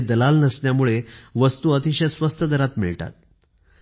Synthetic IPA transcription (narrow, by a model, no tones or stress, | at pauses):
d̪əlalnəsɳjamuɭeʋəst̪uət̪iɕəsʋəst̪ʰəd̪əɾat̪miɭʈa̰t̪̚